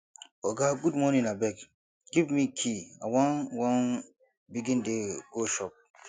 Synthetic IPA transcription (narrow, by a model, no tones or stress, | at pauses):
ɔɡaɡudmɔnĩnabɛk | ɡ̥ivmikʰia̰wãnwãn | biɡĩndeɡ̥oʃɔp̚